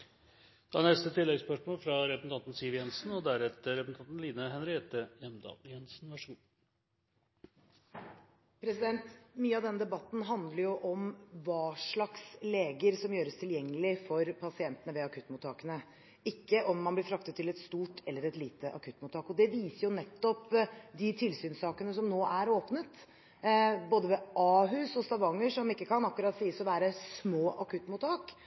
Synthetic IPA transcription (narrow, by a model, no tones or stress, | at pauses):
d̪̥ɑnɛst̪ət̪ʰɪlːɛɡspœʂmoːlfɾɑɾɛpəsn̩ʰɑnt̪n̩siːʋjɛnsn̩ɔd̪æɾɛt̪ːəɾɛpəsn̩ɑnt̪n̩liːnəɦɛnɾɪɛt̪əjɛmd̪ɑ̰ːljɛnsn̩ʋæʂuːn | pʰɾɛsɪd̪ɛnt̪myːəɑd̪ɛnːəd̪ɛbɑt̪ːn̩ɦɑnd̪ləɾjʊʔɔmʋɑːʂɭɑksleːɡəɾsɔmjøːɾəst̪ʰɪljɛŋːəlɪfɔɾpʰɑsɪɛnt̪ənəʋɛɑkʰʉt̪ːmuːt̪ʰːɑːkənə | ɪkːəʔɔmːɑnblɪfʰɾɑk̚t̪ət̪ʰːɪlɛt̪st̪uːʈʰɛlːəɾɛt̪liːt̪əʔɑ̰kʰʉt̪ːmuːt̪ʰɑːkɔd̪ɛʋiːsəɾjʊnɛt̪ːɔpd̪ɪt̪ʰɪlsyːnsɑːkənəsɔmnoːʔæɾoːpnət̪ | boːd̪əʋɛʔɑːɦʉːsɔst̪ɑʋɑŋːəʂɔmɪkːəkʰɑnɑkːʉɾɑt̪siːəsɔʋæːɾəsmoːʔɑkʉt̪ːmuːt̪ɑːk